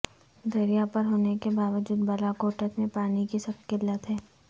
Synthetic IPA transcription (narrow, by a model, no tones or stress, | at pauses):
d̪ɐɾijapɐɾɦoːnekebaːʋəd͡ʒuːd̪bɐlakoːʈətmẽpaːnikisɐbkɪlːət̪ɦɛː